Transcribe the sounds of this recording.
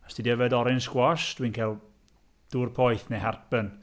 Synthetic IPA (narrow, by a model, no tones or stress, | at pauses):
asd̥idɛvɛdɔɾɪnsɡwɔsd̥winkʰalˠ | d̥uːrpʰɔjθneharpən